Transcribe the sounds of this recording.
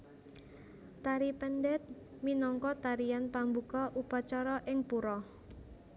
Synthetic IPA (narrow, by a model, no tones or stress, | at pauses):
t̪aɾipɛnɖɛt̪̚ | minɔŋkɔt̪aɾijanpambukɔʔupat͡ʃaɾɔʔɪŋpuɾɔ